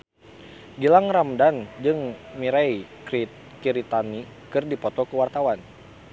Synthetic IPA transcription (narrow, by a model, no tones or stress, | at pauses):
ɡilaŋramdand͡ʒɨŋmiɾaj | kiɾit̪ani | kɨrdipɔt̪ɔkuwart̪awan